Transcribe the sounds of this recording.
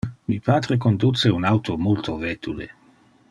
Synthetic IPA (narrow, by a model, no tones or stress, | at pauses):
mipaːt̪ɾekond̪ut͡seunawt̪omult̪ovɛt̪ʰulḛ